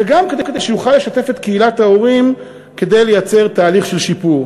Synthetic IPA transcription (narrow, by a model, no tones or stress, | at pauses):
veɡamked̪eked̪ejʃejuχalːe̞ʃate̞fe̞t̪keilathao̞ʁim | ke̞d̪e̞jle̞jat͡se̞ʁt̪aːliχʃelʃipuʁ